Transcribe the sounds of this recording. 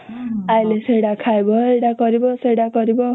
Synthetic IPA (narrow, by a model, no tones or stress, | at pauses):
ajlesejɽakʰaebʌejɽakʌɾibʌsejɽakʌɾibʌ